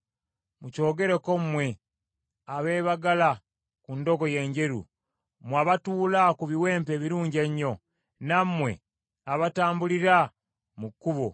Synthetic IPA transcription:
muco̞ːɡe̞ɾeko̞mmwe̞ | aβe̞ːβaɡala | kundo̞ɡo̞je̞ɲɟe̞ɾṵ | mwaβatuːlakuβiwe̞ːmpe̞ːβiɾuːɲɟeɲːo̞ | nammːwe̞̰ | aβataːmbuliɾa | mukːuβo

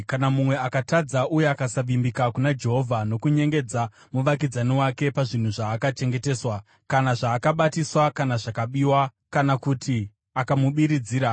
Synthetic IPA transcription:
kanamumwe̞akatad͡zaʔujeakasaʋimbikakunad͡ʒe̞ɦo̞vʱano̞kuɲe̞ŋɡe̞d͡za | muʋak̬id͡zaniwake̞paʐin̤uʐaːkat͡ʃe̞ŋɡe̞te̞ːswa | kanaʐaːkaɓatiswakanaʐakaɓiːwa | kanakutʰi | akamuɓiɾid͡ziːɾa

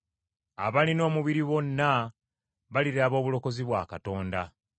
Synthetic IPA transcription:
a̰βalino̞ːmuβiɾiβo̞nːa | βaliɾaːβo̞ːβulo̞ko̞ziβwaːkato̞ːnda

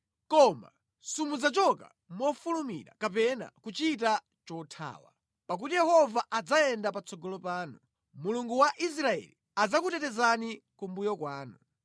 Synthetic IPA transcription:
kɔma̰ | sumuzat͡ʃɔka̰ | mɔfulumḭɾa̰kap̬ɛna̰kut͡ʃit̬a | t͡ʃɔtʰa̰ːwa̰ | pak̬utijɛhɔvaʔad͡zajɛndapat͡sɔɡɔlɔpaːnu | muluŋɡuwaʔis̬ɾaɛ̰li | ad͡zak̬utɛtɛzanikumbujɔkwaːnu

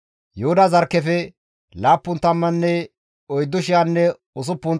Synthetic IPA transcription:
johʊd̪ɐzɐɾkːɛfɛ | laːpːʊnt̪ɐmːɐnːɛ | ɔjd̪ːʊʃɪanːɛ | ʊs̬ʊpːʊn

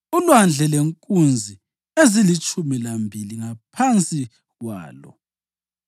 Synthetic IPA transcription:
ulwand͡ɮʱɛleŋkʼund͡zʱi | ezilit͡ʃʼumilambʱiliŋapʰant͡sʼi | ɣwa̰ːlɔ̰

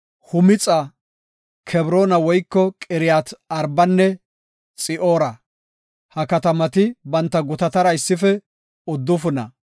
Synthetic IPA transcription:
hʊmɪt͡sʼa | kʰɛbɾoːnɐwɔjkːɔkʼɪɾɪjaːt̪ɐɾbɐnːɛ | t͡sʼɪʔoːɾɐ | hɐkɐt̪ɐmɐt̪ɪbɐnt̪ːɐɡʊt̪ɐt̪ɐɾɐɪsːɪfɛ | ʊd̪ːʊfʊnɐ̰

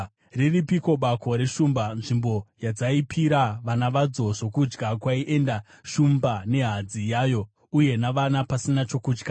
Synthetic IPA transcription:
riripiko̞ɓako̞ɾe̞ʂumbanʐimbo̞jad͡zaipʰiɾaʋanaʋad͡zo̞ʐo̞kud͡ʒɡakwaiʔe̞nda | ʃumbane̞ɦad͡zijaːjo̞ | uje̞naʋanapasinat͡ʃo̞kuːd͡ʒɡa

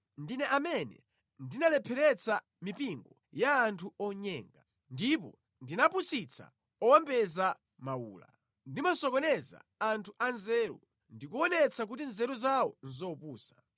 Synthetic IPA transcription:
ndinɛʔamɛnɛ̰ | ndinalɛpʰɛɾɛt͡sʰa | mipiŋɡɔ | jaːntʰuɔɲɛːŋɡa | ndip̬ɔ̰ | ndinapusit͡sʰa̰ | ɔwɔmbɛza | mauːla̰ | ndimasɔkɔnɛza̰antʰuʔanzɛːɾṵ | ndikuɔnɛt͡sʰak̬ut̬inzɛɾuzawɔ̰nzɔpuːsḁ

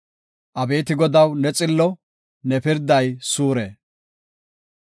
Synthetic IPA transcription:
ʔɐbe̞ːt̪ɪɡɔd̪ɐwnɛt͡sʼɪlːɔ | nɛpɪɾd̪ɐjsuːɾeː

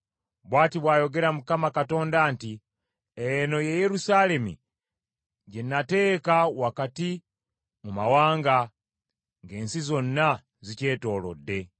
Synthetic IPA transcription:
bwaːtiβwaːjo̞ɡe̞ɾamukamakato̞ːndanti | ejeno̞jeje̞ɾusale̞mḭ | ɟenːate̞ːkawakati | mumawaːŋɡa | ŋɡe̞ːnsizo̞nːa | zice̞ːto̞ːlo̰dːe̞

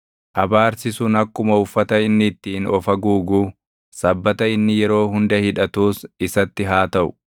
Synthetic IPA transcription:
ʔɐbaːɾsɪsʊnɐkːʊmɐʊfːɐt̪ɐɪnːɪt̪ːiːnɔfɐɡuːɡuː | sɐbːɐt̪ɐɪnːɪjɛɾo̞ːɦʊnd̪ɐhɪᶑ̪ɐt̪uːsɪsɐt̪ːɪɦaːt̪ɐʔʊ̥̰

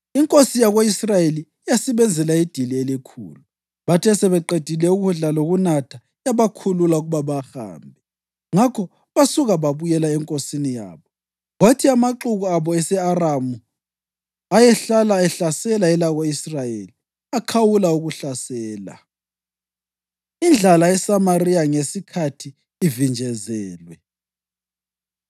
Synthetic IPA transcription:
iŋkʼosijaɣoisrajelijasɛβɛnd͡zʱɛlaid̥ʱilielikʰṵːlu | βatʰɛsɛβɛǃed̥ʱilɛuɣuɮaloɣunatʰa | jaβakʰululauɣuβaβaxa̰ːmbʱɛ | ŋakʰɔ | βasuɣaβaβujɛlaɛŋkʼosinija̰ːβɔ | ɣwatʰiamaǁuɣuaβɔɛsɛaramu | ajɛɬalaɛɬasɛlaɛlaɣɔisrajeli | akʰawulauɣuɬasɛːla̰ | ind͡ɮʱalaɛsamariaŋesikʰatʰiː | vind͡ʒʱɛzɛːlwɛ

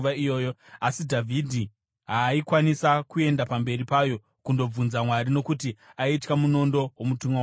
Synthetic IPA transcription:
aijo̞ːjoasidʱavʱidʱi | ɦaːikwanisakue̞ndapambe̞ripaːjo̞ | kundo̞b͡vunzamwaɾino̞kutiaitkamuno̞ndo̞womutumwa

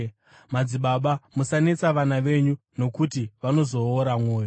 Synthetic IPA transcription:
mad͡ziɓaɓamusane̞t͡saʋanaʋe̞ɲu | no̞kutiʋano̞zo̞ːɾamwo̞ːjo

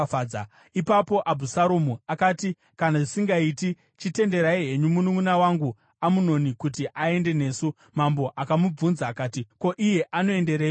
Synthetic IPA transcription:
aːa | ipapo̞ʔabʱusaɾomuakati | kanaʐisiŋɡaiti | t͡ʃite̞nde̞ɾaiɦe̞ɲumunumunawaŋɡu | amuno̞nikutiʔae̞nde̞ne̞ːsu | mambo̞ʔakamub͡vunzaːkaːtiko̞ʔije̞ʔano̞e̞nde̞ɾeːjo

